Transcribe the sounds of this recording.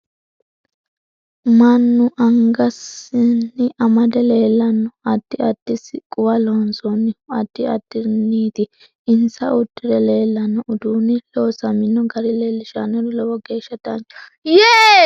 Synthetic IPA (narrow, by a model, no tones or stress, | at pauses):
mɐnːʊʔɐŋɡɐsɪnːɪʔɐmɐd̪ɛleːlːɐnːɔɐd̪̥ːɪɐd̪̥ːɪsɪkʼʊwɐlɔnsɔnːɪɐd̪̥ːɪɐd̪ːɪnːiːt̪ɪ | ɪnsɐ̰ʔʊd̪ːɪd̪ɛle̞ːlːɐnːɔʔʊd̪uːnɪloːsɐmɪnːɔɡɐɾɪleːlːɪʃanɔɾɔlɔwɔɡe̞ːʃːɐd̪ɐnt͡ʃɔ̥jeː